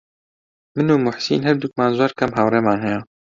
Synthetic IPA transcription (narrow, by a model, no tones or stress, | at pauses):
mɨnuːmʊħsḭːnɦɛɾd̪uk̚maːnzwaːɾkʰɛmɦɑːwreːmaːnɦɛja